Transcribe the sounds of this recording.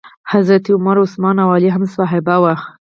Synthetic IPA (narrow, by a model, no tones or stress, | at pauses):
hazɾat̪iʊmaɾʊsmɑnawɑliɦamsɑɦɪbawax